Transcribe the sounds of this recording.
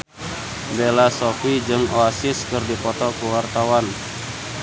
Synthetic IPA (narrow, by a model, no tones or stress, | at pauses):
belasɔfid͡ʒɨŋoasɪskɨrdipɔt̪ɔkuwart̪awan